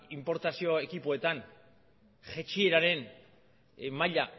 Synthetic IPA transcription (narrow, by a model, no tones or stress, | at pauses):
impo̞ɾt̪asio̞ekipoe̞t̪an | ʝe̞t͡ʃie̞ɾaɾe̞n | maʎa